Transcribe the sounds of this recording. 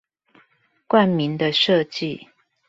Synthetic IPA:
kwa˥˨nmi˨˦nd̪ə˧ʂɤ˥˧t͡ɕi˥˨

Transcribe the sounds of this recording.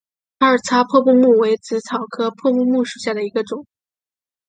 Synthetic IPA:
a˥ə˞˨˩t͡sʰa˥pʰwɔ˥˧pu˥˧mu˥˩we˧˥ɪt͡sɹ̩˧˥t͡sʰɑ˨˩ʊkʰɤ˥pʰwɔ˥˧pu˥˧mu˥˩ʂu˨˩ɕja˥˩d̪ə˩i˧˥ɡə˧ʈ͡ʂʊ˨˩˦ŋ

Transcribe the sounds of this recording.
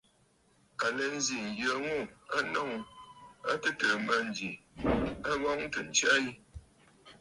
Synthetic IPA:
a˨lɛ˨n˦zi˨n˨jə˨ŋo˦˨a˦nɔ˦˨ŋ | a̰˦tə˦tə˨ma˦˨n˨d͡ʒi˨ | a˦ɣɔ˦ŋ˦tə˨n̩˨t͡ʃa˦i˦

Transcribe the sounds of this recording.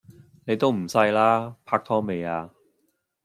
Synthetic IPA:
ne˨˧jt̪o˥wm̩˨˩sɐ˧jlaː˥pʰaː˧k̚t̪ʰɔː˥ŋme˨˧jaː˧

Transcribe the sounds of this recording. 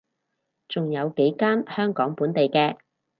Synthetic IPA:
t͡sʊ˨ŋjɐ˨˧wke˨˥jkaː˥nhœː˥ŋkɔː˨˥ŋpuː˨˥nt̪e˨jkɛː˧

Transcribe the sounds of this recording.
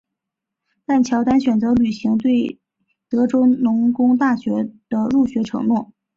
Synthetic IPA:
t̪a˥˩nt͡ɕʰjɑ˧˥ʊt̪a˥nɕɥɛ˨˩nt͡sɤ˧˥ly˨˩ɕi˧˥ŋt̪̬we˥˩ɪ | t̪ɤ˧˥ʈ͡ʂo˥ʊnʊ˧˥ŋkʊ˥ŋt̪a˥˩ɕɥɛ˧˥d̪̥ə˧ɻu˥˩ɕɥɛ˧˥ʈ͡ʂʰɤ̰˧˥ŋnwɔ˥˩

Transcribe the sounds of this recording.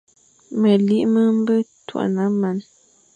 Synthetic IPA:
mə˨li˦ʔmə˦m̩˦bə˦twa̰˨ʔna˨˦ma˨n

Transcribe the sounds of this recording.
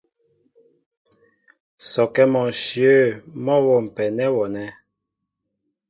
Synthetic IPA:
sɔ˨kɛ˦mɔ̃˨ʃjø˦˨mɔ˦wɔ˨m̩˨pɛ˨nɛ˦wɔ˨nɛ˦

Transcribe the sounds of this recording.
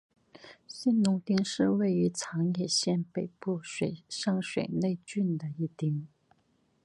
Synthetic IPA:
ɕi˥nnʊ˧˥ŋt̪i˥ŋʂɻ̩˥˧we˥˩ɪy˧˥t͡sʰɑ˧˥ŋjɛ˨˩ɕjɛ˥˩npe˨˩ɪpu˥˩ʂe˨˩ɪʂɑ˥˧ŋʂwḛ˨˩ɪne˥˧ɪt͡ɕy˥˩nd̪ə˩i˥˩t̪i˥ŋ

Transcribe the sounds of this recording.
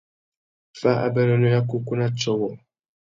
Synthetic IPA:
fa˦ʔa̰˨bɛ˦lɔ˦nɔ˦ja˦ku˦ku˦na˦t͡ʃɔ˦wɔ˨

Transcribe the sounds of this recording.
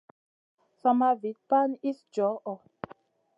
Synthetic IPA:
sa˨ma˧vi˨˦t̚pa˦ni˦sd͡ʒɔ˨˦ʔɔ˨

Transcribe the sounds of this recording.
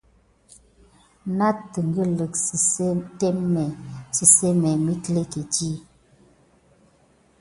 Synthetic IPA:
na˦tə˨ŋ˨ɡə˦lə˨ksi˨se˦te˦mmɛ˨si˨se˦mɛ˨mi˦kle˦ke˨d͡ʒi˦˨

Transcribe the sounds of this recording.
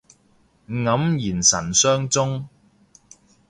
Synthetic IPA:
ŋɐ˨˥mjiː˨˩nsɐ˨˩nsœː˥ŋt͡sʊ˥ŋ

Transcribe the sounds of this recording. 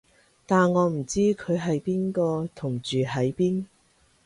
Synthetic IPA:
t̪aː˨nŋɔː˨˧m̩˨˩t͡siː˥kʰɵ˨˧ɥɦɐ˨jpiː˥nkɔː˧t̪ʰʊ˨˩ŋt͡ʃyː˨ɦɐ˨˥jpiː˥n

